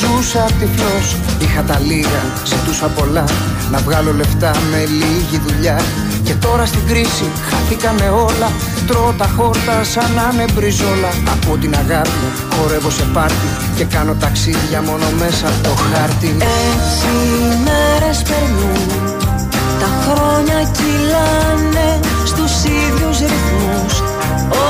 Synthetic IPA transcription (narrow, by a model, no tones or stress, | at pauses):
zusɐt̪iflo̞s | ixɐt̪ɐliɣɐ | z̥it̪usɐpo̞lɐ | nɐvɣɐlo̞le̞ft̪ɐme̞liʝiðuʎɐ | ce̞t̪o̞ɾɐst̪iɡɾisi | xɐθikɐme̞o̞lɐ | t̪ɾo̞t̪ɐxo̞ɾt̪ɐsɐnɐne̞vɾizo̞lɐːpot̪inɐɣɐpi | xo̞ɾe̞vo̞se̞pɐɾt̪i | ce̞kɐno̞t̪ɐksiðʝɐmo̞no̞me̞sɐt̪o̞xɐɾt̪iesimeɾespe̞ɾnu | t̪ɐxɾo̞ɲɐcilɐ | ne̞ | st̪usiðuzɾifu | s | o